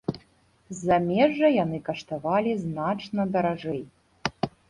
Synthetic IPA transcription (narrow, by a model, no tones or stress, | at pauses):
zamʲeʐɐjanɨkɐʂt̪avalʲiznat͡ʂnɐd̪ɐɾaʐɛj